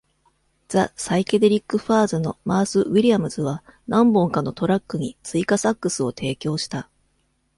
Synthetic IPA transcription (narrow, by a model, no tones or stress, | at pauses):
z̥a̰saike̞d̪e̞ɾʲikːɯ̟ɸaːzɨno̞̰maːsɨβiɾʲijamɯ̟zɨβanãmbõ̞ŋkano̞t̪o̞ɾakːɯ̟ɲ̟it͡sɨikasakːɯ̟sɨo̞t̪ʰe̞ːkʲo̞ːɕi̥t̪a